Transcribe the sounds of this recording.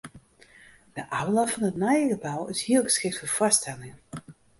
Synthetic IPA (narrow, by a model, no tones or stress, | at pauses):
d̥əʔawlɔfɔnətnajəɡəbawɪshiəlˠɣə̥sxɪk̚tfoəfɔstʰɛlɪŋ